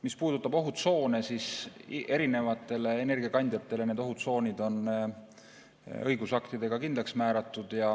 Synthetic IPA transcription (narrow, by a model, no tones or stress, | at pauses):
mispuːd̪̥ut̪ːˑɑbo̞ɦut̪so̞ːne̞sisʔe̞ɾine̞vɑt̪ːˑe̞le̞ːne̞rɡ̥iɑkɑnʲd̪jɑt̪ːˑe̞le̞ne̞ːd̪o̞ɦut̪so̞ːnʲid̪̥o̞n | ɤjɡusɑkt̪id̪̥e̞ɡ̥ɑkind̪leksmæːɾɑt̪ːˑud̪̥jɑ